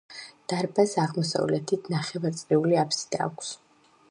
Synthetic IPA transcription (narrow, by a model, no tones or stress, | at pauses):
d̪̥aɾbasaʁmɔsa̰vlɛt̪ʰit̪ʰnaχɛvaɾt̪sʼɾiuliapʰsi̥d̪̥a̰ːkʷʰs